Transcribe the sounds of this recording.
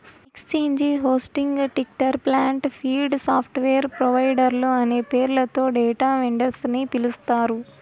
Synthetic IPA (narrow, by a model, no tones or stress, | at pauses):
ekst͡ʃeːɲd͡ʒiɦoːsʈiŋɡʈik̚ʈɐɾplaːɳʈpʰiːlɖsaːpʰʈʋejɐɾpɾɔʋɐjɖɐɾloːɐne̞ːpeːɾlɐt̪o̞ːɖɛːʈaːʋeɳɖɐɾsnipilust̪aːɾu